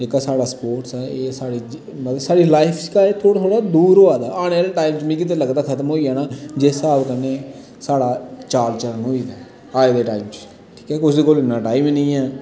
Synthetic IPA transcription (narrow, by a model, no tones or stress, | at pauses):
d͡ʒeːkaːsaːɽaːspoːɾʈsɛːeːsaːɽiːd͡ʒ | mət̪ləsaːɽiːlaːɪpʰsɪ̥kaːet̪ʰoːɽat̪ʰoːɽaːd̪uːɾɦoːaːd̪aːaːneːlʈaːiːmt͡ʃmĩːk̬ɪt̪eləɡd̪aːkʰət̪əmɦoːiːaːnaːd͡ʒeːsaːbkəneː | saːɽaːt͡ʃaːlt͡ʃəɾənɦoːiːd̪aː | aːed̪eːʈaːimt͡ʃ | ʈʰi̥ːkɛːʊsd̪eːkoːlɪnãːʈaːimnəĩːɛː